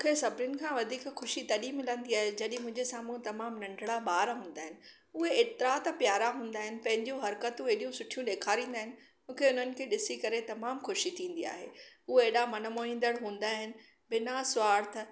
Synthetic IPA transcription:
muːkʰesɐbɾɪʊnɪ̆kʰãːʋɐd̪ʱiːkxʊʃit̪ɐɗimɪlə̃nd̪iaːɦed͡ʑɐɗɪ̃mʊ̃ɦɪ̃ɲd͡ʑesaːmũt̪ɐmaːmnɐ̃ɳɖɽaɓaːɾɦũːn̆d̪aːɦɪnɪ̆ | ʊɦeeːt̪ɪɾat̪apjaːɾaɦũːn̆d̪aːɦɪnɪ̆pɐ̃ɦɪ̃ɲd͡ʑũɦɐɾkət̪ũeːɗijũsʊʈʰijũɗeːkʰaːɾĩːnd̪aːɦɪnɪ̆ | mũːkʰeʊn̤ənɪ̆kʰeːɗɪsikɐɾet̪ɐmaːmxʊʃit̪ʰĩːn̆d̪ia̰ːɦḛʊɦeeːɗamɐnəmoːĩːnd̪əɽɦũːn̆d̪aːɦɪnɪ̆ | bɪnasʊaːɾt̪ʰ

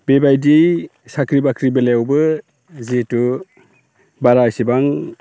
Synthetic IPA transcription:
bebajdij | sakɾibakʰɾibelewbɯ | zetu | baɾajsibaŋ

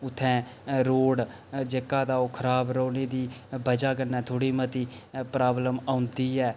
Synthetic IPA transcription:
ʊt̪ʰːɛ̃ːɾoːɽ | d͡ʒekːaːd̪aːoːkʰəɾaːbɾoːneːd̪iːbəd͡ʒaːk̬ənɛːt̪ʰoːɽiːmət̪iːpɾaːbləmaːʊnd̪iːɛː

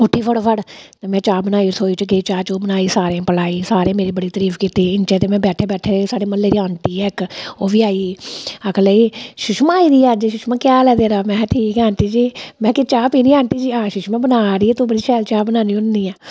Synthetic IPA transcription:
ʊʈʰːiːpʰəɽpʰəɽt̪ːmɛ̃ːt͡ʃaːbənaːiːsoːiːt͡ʃɡeːt͡ʃaːt͡ʃoːbənaːiːsaːɾẽːpəlaːiːsaːɾẽːmeːɾiːbəɽiːt̪əɾiːfkit̪eːɪnt͡ʃẽːt̪eːmɛ̃ːbɛːʈʰeːbɛːʈʰeːɾesaːɽeːməlleːɾiːoːnʈ̪iːɛːkoːʋiːaːiːəkʰləiːʃʊʃmãːiːd̪iːaːd͡ʒeʃʊʃmãːkjaːlɛːd̪eːɾaːmɛ̃ːʈʰiːkaːnʈ̪iːd͡ʒiːmɛ̃ːkɪt͡ʃaːpiːnĩːãːnʈ̪iːd͡ʒiːãːʃʊʃmãːbənaːɾiːɛːt̪õːbəɽiːʃɛːlt͡ʃaːbənãːniːʊnd̪iːaː

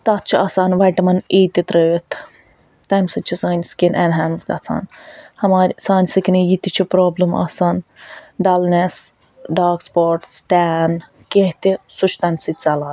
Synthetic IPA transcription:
t̪ɐt̪̚t͡ʃʰiʔɐːsaːnʋɐjʈɐmɐniːt̪it̪ɾəːjit̪ʰ | t̪ɐmsɐt͡ʃʰisaːnʲskinʔɛnɦaːnsɡɐ̰t͡sʰa̰ːnhɐmaːɾʲsaːnʲsɨkinijit̪it͡ʃʰipɾoːblɐma̰ːsaːnɖɐlnes | ɖaːɡspoːɾʈsʈaːn | keɦt̪isut͡ʃʰt̪ɐmsɨt͡sɐlaː

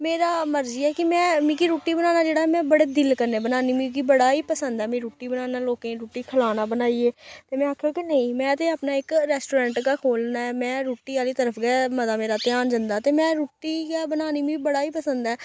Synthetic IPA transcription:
meːɾaːməɾd͡ʒiːɛːkɪmɛ̃ːmĩːkiɾuːʈiːbənaːnaːd͡ʒeːɽaːɦɛmɛ̃ːbəɽeːd̪ɪlkəɾneːbənaːniːmĩkiːbəɽaːiːpəsə̃nd̪ɛːmĩːɾuːʈiːbənaːnaːloːkẽːɾuːʈiːkʰəlaːnaːbənaːieːt̪eːmɛ̃ːaːkʰːɾõːkinəĩːmɛ̃ːt̪eːapnaːɪkɾɛːsʈoːɾɛ̃ːɳʈkaːkʰoːlnaːɛːmɛ̃ːɾuːʈiːaːliːt̪əɾəpʰɡɛːmət̪aːmeːɾaːt̪ɪaːnd͡ʒənd̪aːt̪eːmɛ̃ːɾuːʈːiːɡaːbənaːniːmĩbəɽaːiːpəsənd̪ɛː

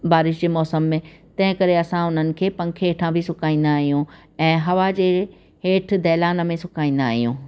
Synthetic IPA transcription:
baːɾɪʃd͡ʑeːmɔːsəmːẽt̪ɐ̃ɦɪ̃kɐɾeɐsãʊn̤ənɪ̆kʰeːpɐ̃ŋkʰeeːʈʰãbʱɪsʊkaːĩːn̆d̪aːɦijũ | ɛ̃ːɦɐʋad͡ʑeː | ɦeːʈʰd̪ɛːlaːnə̆mẽsʊkaːĩːn̆d̪aːɦijũː

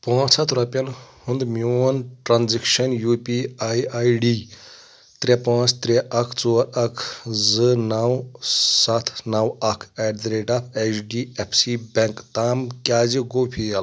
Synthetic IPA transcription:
pãːt͡sʰɐt̪ʰɾɐpʲɐnhund̪munʈɾaːnzikʃɐnjupiajajɖi | t̪ɾepãːt͡sʰt̪ɾeʔɐkʰt͡soːɾɐkʰzɨnɐwsɐt̪ʰnɐwɐkʰɛɖd̪ɾeʈapʰet͡ʃɖiepʰsibʲeŋkt̪aːmkʲaːziɡoːpʰijɐl

